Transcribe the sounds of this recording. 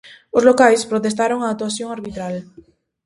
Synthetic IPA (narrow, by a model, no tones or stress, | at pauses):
ozlokajspɾot̪est̪aɾoŋaːt̪uaθjoŋaɾβit̪ɾal